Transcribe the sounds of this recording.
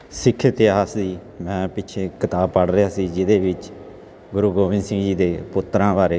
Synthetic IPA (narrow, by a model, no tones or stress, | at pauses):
sɪkʰːt̪ɪaːsd̪iː | mɛ̃ːpɪt͡ʃʰeːkɪt̪aːbpəɽɾɪjaːsiːd͡ʒɪd̪eːʋɪt͡ʃ | ɡʊɾuːɡoːʋɪ̃nsĩːd͡ʒiːd̪eːpʊt̪ːɾãːʋaːɾeː